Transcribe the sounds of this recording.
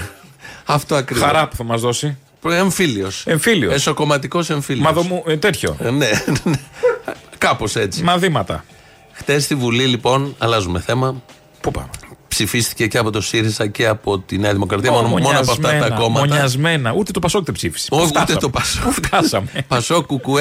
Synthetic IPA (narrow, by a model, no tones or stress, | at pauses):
ɐft̪o̞ɐkɾiɐɾɐpu̥θɐmɐzðosi | peɱfilio̞seɱfilioesoko̞mɐt̪iko̞se̞ɱfilmɐðomut̪et̪ço̰nene | kɐpo̞se̞t͡simɐθimɐt̪ɐ̰ | xt̪e̞st̪ivulilipo̞nɐlɐzume̞θe̞mɐ | pupɐ̰mepsifist̪i̥ce̞ceɐpo̞t̪o̞siɾizɐceɐpo̞t̪ineɐðimo̞kɾɐt̪iɐmonomooɐpoɐɐt̪ɐko̞mɐɲɐzme̞nɐut̪et̪opɐsokt̪epsifi̥si̥out̪et̪opɐsokɐsɐmepɐso̞kuku